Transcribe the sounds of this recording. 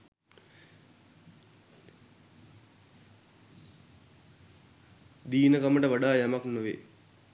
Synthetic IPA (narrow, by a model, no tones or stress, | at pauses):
d̪iːnəkaməʈəʋaɖaːjamaknuʋḛ